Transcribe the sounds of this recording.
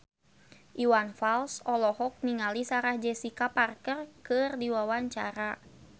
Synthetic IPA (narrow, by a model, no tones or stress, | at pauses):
ʔiwanfalsɔlɔhɔk̚niŋalisaɾahd͡ʒɛsikaparkərkɨrdiwawaɲt͡ʃa̰ɾa